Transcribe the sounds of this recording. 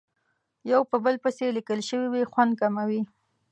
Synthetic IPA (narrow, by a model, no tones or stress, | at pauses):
jawpəbəlpəselikəlʃəwiwixwand̪̚kamawi